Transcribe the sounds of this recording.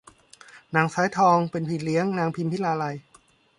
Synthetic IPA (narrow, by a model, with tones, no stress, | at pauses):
naː˨˩˦ŋsaː˨˦˥jt̪ʰɔː˧ŋpe˧npʰi˨˩t̪̚li˨˦əŋnaː˧ŋpʰi˧mpʰi˦˥laː˧la˧j